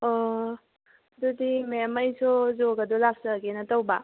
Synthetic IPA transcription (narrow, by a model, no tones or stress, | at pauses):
ɔ | dudimemajsʰozoɡɐdolap̚sɐɡenɐtawba